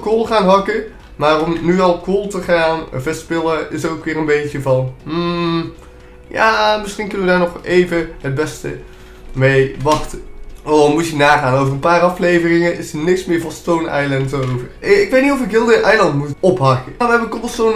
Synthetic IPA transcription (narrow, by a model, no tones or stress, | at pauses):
koːlˠχaːnɦɑkə | maːrɔmnyɑlˠkoːlˠtəχaːnvɛspɪlˠəɪsəowkʋɪːrənbejtəvɑnɦm̩ | ja̰ːmɪsχinkɵnəʋədaːɹnɔχejvəɦəd̚bɛstə̰ | mejʋɑχtəɔmutjənaːχaːnowvərənpaːɾɑflejvərɪŋənʔɪsənɪksmɪːɹvɑnstownɛ̰jlɛntowvərɪkʋejtnitɔfɪkɦɪːlˠdəʔɛjlɑntmutɔpɦɑkəaʋəɦɛbəntɔχʋɛlˠston